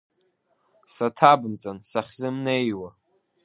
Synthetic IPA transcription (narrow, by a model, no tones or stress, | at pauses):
satʰabɨmt͡sʼansaχʲzɨmnejwa